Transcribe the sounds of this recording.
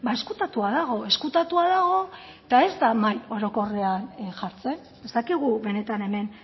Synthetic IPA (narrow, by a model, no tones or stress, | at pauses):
bae̞skut̪at̪uaðaɣ̞o̞e̞skut̪at̪uaðaɣ̞o̞ | t̪ae̞zd̪amajo̞ɾo̞ko̞re̞anʝaɾt͡se̞n | e̞st̪akiɣ̞uβe̞ne̞t̪ane̞me̞n